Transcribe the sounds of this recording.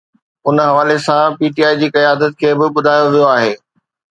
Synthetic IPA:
ʊnɦɐʋaːlesãpiːʈiːaːid͡ʑiːkɐjaːəd̪ət̪̚kʰeːbɪɓʊd̪ʱaːjoʋijoaːɦeː

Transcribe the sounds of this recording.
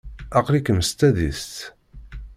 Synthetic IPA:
ɑqlikəmst̪æðḭst̪

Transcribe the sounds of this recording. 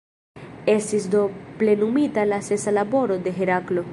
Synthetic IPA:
e̞stisdo̞ple̞numitalase̞salabo̞ɾo̞de̞ɦe̞ɾaklo̞

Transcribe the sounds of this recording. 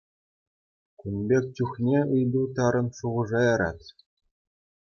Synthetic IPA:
kʲunbʲek̚ʲt͡ɕʲuχnʲeɯjd̪ut̪ɑɾɤ̆nʂuʁɤ̆ʐɑjɑɾɑ̰t̪ʲ

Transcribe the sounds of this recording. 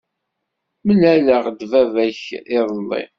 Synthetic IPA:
məlæləʁd̪vævæçɪðˤlˤːḭ

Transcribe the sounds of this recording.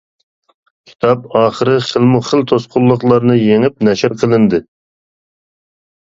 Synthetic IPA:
kʲʰi̥t̪ʰɑpɑːχəɾɨχəlˠmʊχəlt̪ʰosqʊlˠːʊqlˠɑɾnɨjeŋɪp̚nɛʃɪɾqʰəlˠɨnd̪ɨ

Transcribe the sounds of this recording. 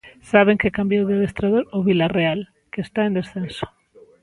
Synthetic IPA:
saβ̞eŋkekambjowðeðest̪ɾaðoɾʊβilareal | keːst̪aẽnd̪esθenso̥

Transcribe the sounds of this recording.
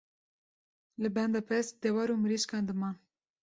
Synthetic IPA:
lɨbɛnd̪ɑpʰɛst̪d̪ɛwɑɾumɨɾiʃkɑnd̪ɨmɑːn

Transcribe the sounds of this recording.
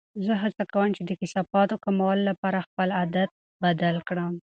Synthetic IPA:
zəɦat͡sakawəmt͡ʃed̪əkɪsɑfɑt̪okamawalolːapɑɾaxpəlad̪at̪̚ | bad̪alkɽəm

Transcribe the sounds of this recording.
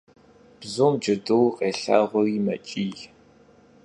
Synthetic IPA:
b̥zoːmd͡ʒɨdɨwqʼeːɬa̰ːʁʷʊrimɐ̰t͡ʃʼiːj

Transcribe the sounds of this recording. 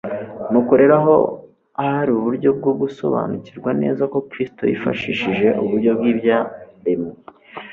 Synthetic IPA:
nukoɾe̞ɾaɦo̞̰ | ahaɾiuβuɾɟo̞b̚ɡob̚ɡuso̞̰βa̰ːnuciɾɡwane̞̰ːzako̞kɾisto̞̰jḭfa̰ʃiːʃiʒe̞ʔuβuɾɟo̞b̚ɡibjabeme

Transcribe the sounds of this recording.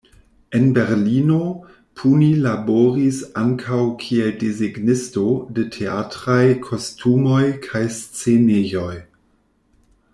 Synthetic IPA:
enbeɾlino | pʰunilaboɾisaŋkʰawkʰieldiziɡnɪsto̞detʰeatɾajkʰo̞stʰumojkʰajst͡senejo̞j

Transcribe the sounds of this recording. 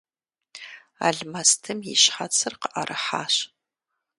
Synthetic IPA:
a̰ːɮmɐstʰɨmjɪɕħat͡sʰɨrqəʔɐrʔɨħa̰ːɕ

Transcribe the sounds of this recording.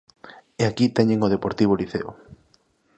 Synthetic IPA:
eakit̪ɛɲeŋoð̞epoɾt̪iβoliθeo̰

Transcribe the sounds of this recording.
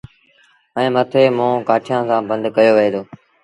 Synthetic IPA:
ɛ̃ːmət̪ʰeːmõːkaːʈʰijãːsãːbə̃nd̪ʱkəjoːʋɪeːt̪ʰoː

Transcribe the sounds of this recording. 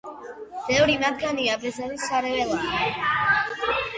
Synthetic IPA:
b̥ɛvɾimat̪̚ʰɡaniabɛzaɾisaɾɛvɛlˠa

